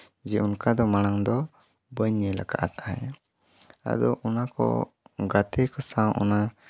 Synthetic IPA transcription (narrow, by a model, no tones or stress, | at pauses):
d͡ʒɛʔunkad̪ɔmañaŋd̪ɔ | bəɲːɛla̰ka̰ʔt̪ʰaɛ̰ | a̰d̪ɔʔɔnakɔ̰ | ɡat̪ɛkɔsawʔɔ̰na